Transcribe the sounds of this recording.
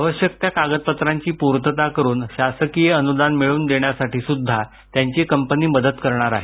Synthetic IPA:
aʋəɕjək̚t̪jakaɡət̪̚pət̪ɾaɲt͡ɕiːpuɾt̪ət̪akəɾuːnɕasəkijeənud̪anmiɭuːnd̪eɳjasaʈiːsud̪ʱːa | t̪jaɲt͡ɕiːkəmpəniːməd̪əd̪kəɾɳ̃aɾa̰ɦe

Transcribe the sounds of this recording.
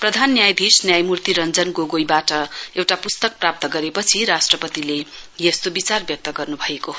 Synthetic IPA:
prʌd̪ʱanːjajd̪ʱisnjajmurt̪iɾʌnd͡zʌnɡoɡojbaʈʌewʈapust̪ʌk̚prap̚t̪ʌɡʌɾepʌt͡sʰiɾasʈrʌpʌt̪ile | jest̪obit͡sarbjʌk̚t̪ʌɡʌrnubʱʌjekoɦ

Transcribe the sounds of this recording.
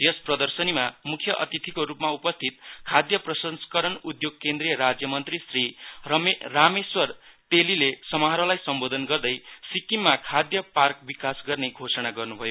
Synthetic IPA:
esprʌd̪ʌrsʌnimamukʰjʌʔʌ̰t̪it̪ʰikoɾupmaupʌst̪ʰit̪̚kʰad̪jʌprʌsʌnskʌɾʌnud̪joɡ̚kend̪rijʌɾad͡zjʌmʌnt̪risriː | ameswʌrt̪elilesʌmʌɦaɾʌlajsʌmbod̪ʱʌnɡʌrd̪ʌjsikimːakʰad̪jʌpark̚bikasɡʌrneɡʱosʌnaɡʌrnubʱʌjo

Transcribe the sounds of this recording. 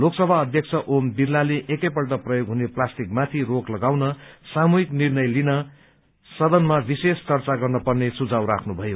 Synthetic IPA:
loksʌbʱaʌd̪ʱjʌkt͡sʰʌʔombirːaleʔekʌjpʌlʈʌprʌjoɡɦuneplasʈikmat̪ʰiroklʌɡawnʌsamuɦiknirnʌjlinʌ | sʌd̪ʌnmabisest͡sʌrt͡saɡʌrnʌpʌrnesud͡zawɾakʰnubʱʌjo

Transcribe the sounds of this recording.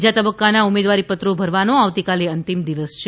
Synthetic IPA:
d͡ʒat̪əbəkːanaumed̪ʋaɾipət̪ɾobʱəɾʋanoaʋt̪ikaleənt̪imd̪iʋəst͡ʃʰ

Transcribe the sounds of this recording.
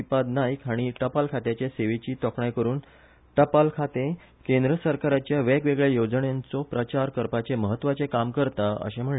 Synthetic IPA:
ipad̪najkaɽ̃iʈəpalkʰat̪jat͡ɕaseʋet͡ɕiːt̪ɔkɳajkəɾuːn | ʈəpalkʰat̪e | kẽnd̪ɾəsəɾkaɾat͡ɕjaʋɛkʋeɡɭejod͡zəɳjant͡sɔpɾət͡ɕaɾkəɾpat͡seməɦət̪ːʋat͡sekamkəɾt̪aə̰ɕẽm̤əɳ

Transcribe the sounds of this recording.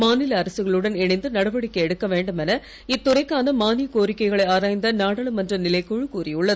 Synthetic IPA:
maːnɪlɐːɾɐsɯɣɐɭɯɽɐnɛɳɐɪnd̪ɯnɐɽɐʋɐɽɪkːɐɛɽɯkːɐʋeːɳɖɯmɛnɐ | ɪt̪ːʊɾɐɪkːaːnɐmaːnɪkoːɾɪkːɐɪɣɐɭɐɪaːɾaːjnd̪ɐnaːɽɐɭɯmɐndrɐnɪlɐɪkːʊɻɯkuːriʊɭːɐð

